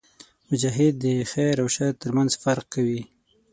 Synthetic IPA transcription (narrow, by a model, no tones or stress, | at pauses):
mʊd͡ʒaɦɪd̪ːəxajɾawʃat̪əɾmanzfaɾq̚kawi